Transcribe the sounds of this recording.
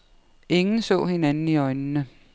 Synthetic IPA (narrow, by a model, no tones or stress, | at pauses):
ʔe̝ŋn̩sɔ̰̽ːhe̝nænn̩iɒɪnnə